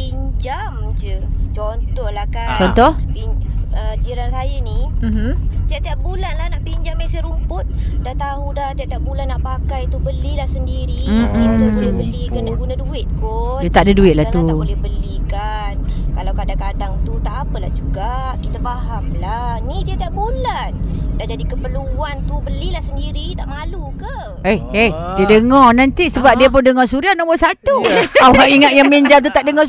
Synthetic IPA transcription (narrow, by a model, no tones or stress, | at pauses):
piɲd͡ʒa | md͡ʒət͡ʃɔnt̪ɔhlahkat͡ʃɔnt̪ɔhbiəd͡ʒiɾansajənim̩mm̩t̪iaʔt̪iat̪̚bulanlahnaʔpiɲd͡ʒamːesəɾumpʊt̪̚dat̪aɦudaht̪iaʔt̪iaʔ̚bulanːaʔpakajt̪ubəlilahsəndiɾiitəsuləbəlikanəɡunãduɪt̪̚kojut̪aʔdəduɪt̪̚lahaauabolɛhbəlika | nkalawkadakadaŋt̪ut̪aʔapəla̰hd͡ʒuɡa | kit̪afahamlanidiət̪aʔbolandand͡ʒadikəpəluant̪ubəlilahsəndiɾit̪aʔŋalukə | eehdiədəŋɔrnant̪isəbap̚diəp̬ʊndəŋɔsuɾianɔmboʔsat̪uawaiŋat̪̚jamiɲd͡ʒamt̪ut̪aʔdəŋɔ